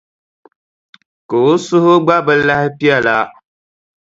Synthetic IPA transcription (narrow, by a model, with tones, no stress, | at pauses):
ko˨o˦sʊ˦hʊ˦ɡ͡ba˦bɨ˦la˦hɪ˦pi˦a˦˨la˦